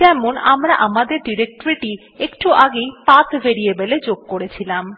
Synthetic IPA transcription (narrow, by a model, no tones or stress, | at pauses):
d͡ʑɛmona̰mɾaʔamad̪eɾɖiɾek̚ʈoɾiʈi | ekʈuʔaɡejpat̪ʰvʱeɾiebeled͡ʑoɡ̚koɾet͡ɕʰilam